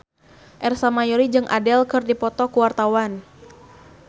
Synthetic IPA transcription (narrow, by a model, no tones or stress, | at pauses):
ʔɛrsamajɔɾid͡ʒɨŋʔa̰dɛlkɨrdipɔt̪ɔkuwart̪awan